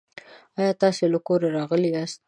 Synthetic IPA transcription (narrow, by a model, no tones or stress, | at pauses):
ɑjɑt̪ɑselakoɾaɾɑɣəliɑst̪̚